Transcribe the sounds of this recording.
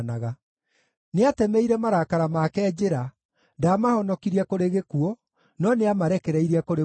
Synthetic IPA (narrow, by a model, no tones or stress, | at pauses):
naɣa | neatɛmɛiɾɛmaɾakaɾamakɛd͡ʑeɾa | ndaːmahɔnɔkiɾiakoɾeɣekuɔ | nɔneamaɾɛkɛɾɛiɾiakoɾe